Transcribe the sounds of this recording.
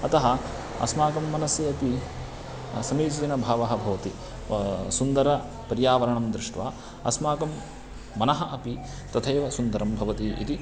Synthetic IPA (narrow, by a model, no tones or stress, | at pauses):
ɐt̪ɐɦɐ | ɐ̰smaːkɐmːɐnɐsjɐɐpi | sɐmiːd͡ʒiɐnɐbʱaːʋɐɦɐ̆bʱɐʋɐt̪i | sund̪ɐɾɐ | pɐɾjaːʋɐɾɐɳɐmd̪ɾɪʂʈʋa̰ː | ɐ̰smaːkɐmː | ɐnɐɦɐ̆ʔɐpi | t̪ɐt̪ʰɐːʋɐsund̪ɐɾɐmbʱɐʋɐt̪iḭt̪i